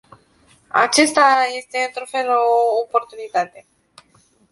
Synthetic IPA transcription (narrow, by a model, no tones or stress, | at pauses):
a̰t͡ʃest̪aje̞st̪e̞ɨnt̪ɾufe̞looːpo̞rt̪unit̪at̪e̞